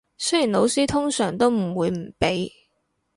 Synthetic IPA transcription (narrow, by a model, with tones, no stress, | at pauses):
sɵ˥jiː˨˩nlo˨˧wsiː˥t̪ʰʊ˥ŋsœː˨˩ŋt̪o˥wm̩˨˩wuː˨˧jm̩˨˩pe˨˥j